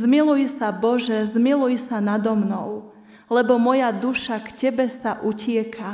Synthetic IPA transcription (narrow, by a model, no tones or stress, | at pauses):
zmilujsabɔʒɛzmilujsanad̪ɔmnɔʊ | lɛbɔmɔjad̪uʃakcɛbɛsaʔucɪɛkʰa